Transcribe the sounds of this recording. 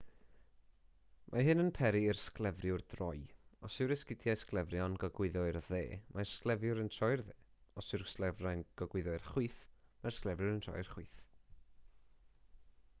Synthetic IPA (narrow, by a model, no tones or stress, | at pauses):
mʔaɦɨnənpʰɛɾiɪrsklˠɛvrjʊrdrɔjɔsɪwɾɪskɪdjajsklˠɛvrjɔnɡɔɡwɪðɔrðḛːmʔarsklˠɛvjʊɾəntʰrɔjrðeːɔsɪrsklˠɛvrajnɡ̥ɔɡwɪðɔɨrχwiːθmarsklˠɛvjʊɾəntʰɔ̰jɨrχwiθ